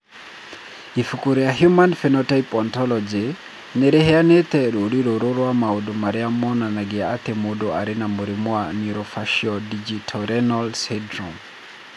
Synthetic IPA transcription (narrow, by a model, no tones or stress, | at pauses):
ifukuɾejaɦjumanfɛnɔtaipɔntɔlɔd͡ʒi | neɾɛhɛanet̪ɛɾoɾiɾoɾoɾwamaodomaɾeamɔnanaɡɪaat̪ɛmodoaɾɪnamoɾimwaniɾɔfaʃiɔdid͡ʒitʰɔɾɛnɔlsɛdɾɔm